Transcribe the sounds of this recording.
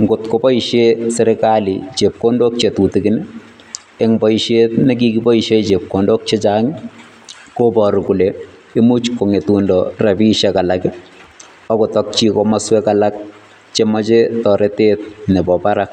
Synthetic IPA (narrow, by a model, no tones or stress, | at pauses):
ŋɡʊtkopɔiʃeseɾɛkalit͡ʃep̚kondok̚t͡ʃetutikɪn | eŋbɔiʃetnek̬ikipɔiʃeit͡ʃep̚kondok̚t͡ʃet͡ʃaŋ | kopɔɾukule | imut͡ʃkoŋetundɔrapiʃɛkalakɪ | ɔkotɔk̚t͡ʃikɔmaswɛkalak̚ | t͡ʃemɔt͡ʃetɔɾetet̚nɛbɔpaɾak̚